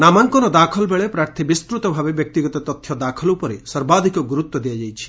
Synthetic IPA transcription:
namaŋkɔɾɔd̪akʰɔlbeɭepɾaɾt̪ʰibist̪ɾut̪ɔbʱabebjɔk̚t̪iɡɔt̪ɔt̪ɔt̪ʰːjɔd̪akʰɔlupɔɾesɔɾbad̪ʱikɔɡuɾut̪wɔd̪ijad͡ʒajt͡ʃʰi̥

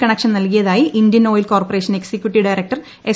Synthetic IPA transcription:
kɐɳɐkʂɐnnɐlkijɐðaːjiʔindjɐnoːjilko̞ːrpɐre̞ːʂɐne̞ksekjuʈːiɖɐjɾek̚ʈɐr | e

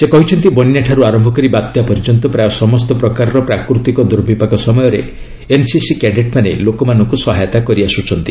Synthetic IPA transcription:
sekɔɦit͡ʃʰɔnt̪ibɔninaʈʰaɾuaɾɔmbʱɔkɔɾibat̪ːjapɔɾd͡ʒɔnt̪ɔpɾajɔsɔmɔst̪ɔpɾɔkaɾɔɾɔpɾakɾut̪ikɔd̪ɔɾbʱipakɔsɔmɔjɔɾḛ | ensisikɛɖeʈ̚manelokɔmanɔŋkusɔɦajɔt̪akɔɾiasut͡ʃʰɔnt̪i̥

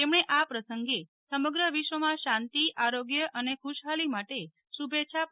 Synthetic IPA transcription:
t̪emɳeʔapɾəsəŋɡe | səməɡɾəʋiʃʋəmãʃãnt̪iaɾoɡjəʔənekʰuʃɦalimaʈe | ʃubʱetːt͡ʃʰa

